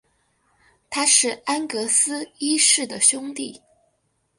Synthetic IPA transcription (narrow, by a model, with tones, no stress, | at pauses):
t̪ʰa˥ʂɻ̩˥˩a˥nkɤ˧˥sɹ̩˥i˥ʂɻ̩˥˩d̪ə˩ɕjʊ˥ŋt̪i˥˩